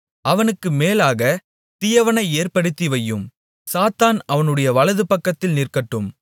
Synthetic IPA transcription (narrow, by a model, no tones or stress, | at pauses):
ʔɐʋɐnɯkːɯmeːlaːɣɐ | t̪ɪjɐʋɐnɐɪeːrpɐɽɯt̪ːiʋɐjːɯm | saːt̪aːnɐʋɐnɯɽɐjɐʋɐɭɐðɯpɐkːɐt̪ːɪlnɪrkɐʈːɯm